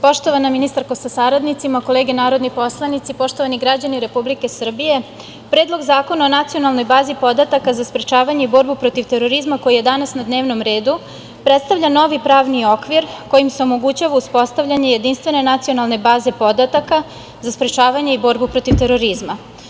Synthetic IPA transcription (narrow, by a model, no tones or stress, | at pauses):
po̞ʃt̪o̞ʋanaminist̪aɾkosasaɾad̪nit̪simako̞le̞ːɡenaːɾo̞d̪nipo̞slˠanit̪sipo̞ʃt̪o̞ʋaniɡɾad͡ʑaniɾe̞publike̞sr̩bije̞ | pɾed̪lˠo̞ɡzaːko̞naonat̪sio̞nalˠno̞jbaːzipo̞d̪at̪akazaspɾet͡ʃaːʋaɲeibo̞ɾbupɾo̞t̪iʋt̪e̞ɾo̞ɾizmako̞jije̞d̪anasnad̪ne̞ːʋno̞mɾe̞ːd̪u | pɾet̪st̪aʋʎʲano̞ʋipɾaːʋnio̞kʋiɾko̞jimse̞o̞mo̞ɡut͡ɕaʋauspo̞st̪avʎʲaɲe̞je̞d̪inst̪ʋe̞ne̞nat̪sio̞nalˠne̞baːze̞po̞d̪at̪aka | zaspɾet͡ʃaːʋaɲe̞ibo̞ɾbupɾo̞t̪iʋt̪e̞ɾo̞ɾizma